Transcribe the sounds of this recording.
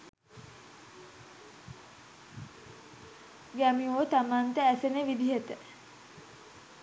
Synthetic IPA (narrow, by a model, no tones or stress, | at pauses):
ɡæmioːt̪amaːnt̪əæsenəʋid̪iɦet̪ə